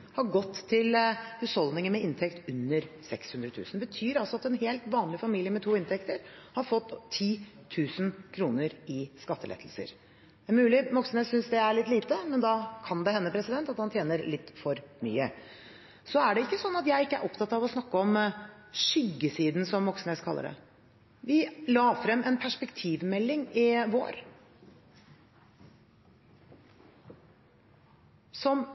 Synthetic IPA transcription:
hɑɾɡɔt̪ʰːɪlhʉshɔld̪nɪŋəmɛɪnt̪ʰɛkt̪ʉnːəɾsɛkshʉnd̪ɾət̪ʰʉ̰ːsənbət̪ʰyːɾɑlsɔɑt̪ɛnheːlt̪ʋɑːnlɪfɑmiːlɪəmɛt̪ʰuːɪnt̪ʰɛkt̪əɾhɑɾfɔt̪ʰːiː | t̪ʰʉːsənkʰɾuːnəɾɪskɑt̪ːəlɛ̰t̪ʰːl̩sə̰ɾ | æɾmʉːlɪmɔksənesʏnsd̪ɛæɭɪt̪ːliːt̪əmɛnd̪ɑkʰɑnd̪ɛhɛnːəpʰɾɛsɪd̪ɛnt̪ɑt̪hɑnt̪ʰjeːnəɾlɪt̪ːfɔɾmy̰ːə̰ | sɔæɖɛɪkːəsɔnːɑt̪jæɪɪkːəæ̰ɾʔɔpt̪ʰɑt̪ɑʋɔsnɑkːəɔmʂʏɡːəsiːd̪n̩sɔmːɔksneskʰɑlːə̰ɖɛ̰ | ʋɪlɑːfɾɛmːɛnpʰæʂpɛkt̪ʰiːʋmɛlːɪŋɪʋo̰ːɾ | sɔm

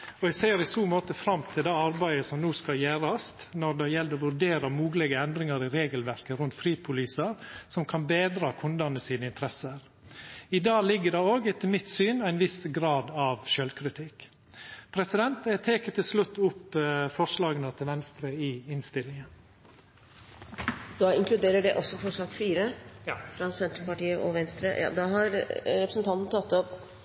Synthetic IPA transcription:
ɔɛɡseːɾɪsuːmoːt̪əfɾɑmt̪ʰɪld̪ɑːɑɾbæɪəsɔmnuːskɑljæːɾɑst̪nɔɾd̪ɛjɛld̪əɔʋʉɾɖeːɾɑmuːɡlɛɡəɛnd̪ɾɪŋɑɾɪɾeːɡəlʋæɾkəɾʉnt̪fɾiːpʰʊliːsəɾsɔmkʰɑnbeːd̪ɾɑːkʰʊnd̪ɑnəsiːnəɪnt̪əɾɛsəɾ | ɪd̪ɑːlɪɡːədɑoːɡt̪ʰɪlmɪt̪syːnæɪnʋɪsɡɾɑːd̪ɑʋʃœlkʰɾɪt̪ʰɪk | pʰɾɛsɪd̪ɛnt̪t̪ʰeːkət̪ʰɪlslʉt̪ːʊpːfɔʂlɑːɡənət̪ʰɪlʋɛnst̪ɾəɪɪnst̪ɪlːɪŋən | d̪ɑɪŋklʉd̪eːɾəɖɛʔɔsːɔfɔʂɑːkfiːɾəfɾɑsɛnt̪ɾəpɑʈiːəʔɔʋɛnst̪ɾə̰jʔɑ̰ːd̪ɑɦɑɾɾɛpɾəsnt̪ʰɑnt̪n̩ət̪ʰɑt̪ːɔp

